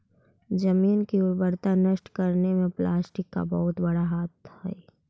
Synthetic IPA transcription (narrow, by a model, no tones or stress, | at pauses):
d͡ʒəmiːnkiʊɾbəɾt̪anəʃʈkɐɾnemẽplaːsʈɪkːa̰bɐɦʊt̪bɐɽaɦaːt̪hɛ̰ː